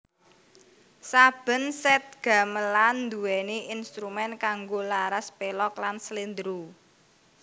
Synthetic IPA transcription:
sab̥ə̤nsɛt̪̚ɡ̥ä̤məland̪ṳwɛneʔinst̪ɾumɛnkaŋɡolaɾaspelɔklanslind̪ɾu

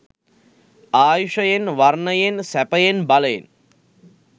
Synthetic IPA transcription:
aːjuʂɐjenʋarnɐjensæpɐjenbalɐjḛn

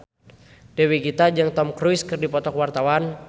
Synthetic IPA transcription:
d̥ewiɡit̪ad͡ʒaŋt̪ɔmkɾujskɨrdipɔt̪ɔkwart̪awan

